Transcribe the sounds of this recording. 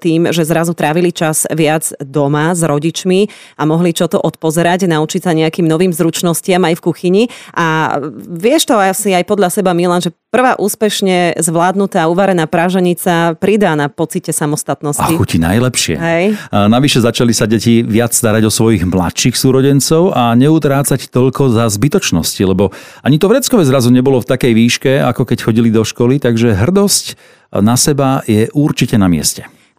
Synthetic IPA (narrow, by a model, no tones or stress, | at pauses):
t̪iːmʒɛzɾazut̪ɾaːʋilit͡ʃaz̥ʋɪad͡zd̪ɔmazɾɔɟit͡ʃmi | amɔɦlit͡ʃɔt̪ɔʔɔt̪̚pɔzɛɾaɟnaut͡ʃicsaɲɛakiːmnɔʋiːmzɾut͡ʃnɔscɪamajfkuxiɲiʔa | ʋɪɛʃt̪ɔasiajpɔd̪ʎasɛbamilanʒɛpr̩ʋaːʔuːspɛʃɲɛzʋlaːd̪nut̪aːuːʋaɾɛnaːpɾaːʒɛɲit͡sapɾid̪aːnapɔt͡sicɛsamɔst̪at̪nɔsaikucina̰jlɛpʃɪɛ̰ɦɛjnaʋiʃɛzat͡ʃalisaɟɛciʋɪat͡sst̪aɾaɟɔsʋɔjiɣmla̰t̪ʃixsuːɾɔɟɛnt͡sɔʊʔaɲɛut̪ɾaːt͡sact̪ɔʎkɔzazbit̪ɔt͡ʃnɔ̰scilɛbɔaɲit̪ɔvɾɛt͡skɔʋɛzɾazuɲɛbɔlɔft̪akɛjʋiːʃkɛa̰kɔkɛcxɔɟilid̪ɔʃkɔlit̪aɡʒɛɦr̩d̪ɔsc | nasɛbajɛʔuɾt͡ʃicɛnamɪɛ̰scɛ